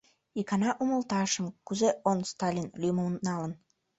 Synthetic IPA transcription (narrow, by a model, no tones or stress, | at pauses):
ikɑnɑʔuməlt̪ɑʃə̆mkuzeʔonst̪ɑlʲinlymənnɑlən